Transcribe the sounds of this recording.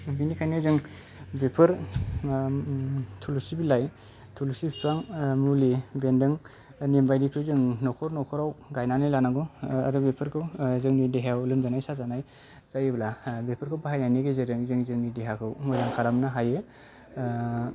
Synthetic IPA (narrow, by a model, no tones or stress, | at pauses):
binikʰajnezɯŋ | bepʰɯɾ | tʰulusibilaj | tʰulusipʰipʰaŋmulibendɯŋ | nembajdikʰɯwzɯŋnɔkʰɔɾnɔkʰɔɾawɡajnanajlanaɡɔaɾɯbepʰɯɾkʰɯwzɯŋnideɦawlɯmzanajsazanaj | zajeblabepʰɯɾkʰɯwpaɦajnajniɡezeɾɯŋzɯŋzɯŋnideɦakʰɯwmɔjɾaŋkʰaɾamnaɦaje